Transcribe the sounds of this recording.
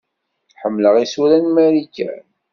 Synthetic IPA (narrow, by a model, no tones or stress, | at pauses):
ħəmːləʁisuɾænmæɾikæ̰n